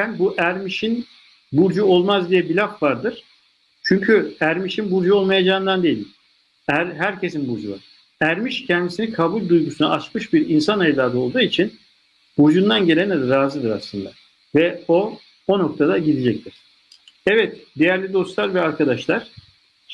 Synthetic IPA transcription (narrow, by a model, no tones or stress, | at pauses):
ænbuʔæɾmiʃin | buɾd͡ʒuo̞lˠmazd̪ijɛbilʲafvaɾd̪ɯɾ̥ | t͡ʃʰyɲcʰyæɾmiʃinbuɾd͡ʒuo̞lˠmajad͡ʒaːɯnd̪and̪e̞jilʲim | æɾɦæɾcʰe̞sinbuɾd͡ʒuva̰ɾ̥ | æɾmiʃcʰɛnd̪isinikʰabulʲd̪ujɡusunaat͡ʃmɯʃbiɾinsanajd̪aːd̪ɯo̞lˠd̪uːit͡ʃʰin | b̥uɾd͡ʒund̪anɟe̞lʲenɾaːzɯd̪ɯɾa̰slˠɯnd̪a̰ | vɛo̞ | ono̞k̚t̪ʰad̪aɟid̪id͡ʒɛc̚t̪ʰiɾ̥ | ɛvɛt̪d̪ejæɾlʲid̪o̞st̪lˠaɾvɛaɾkʰad̪aʃlˠaɾ̥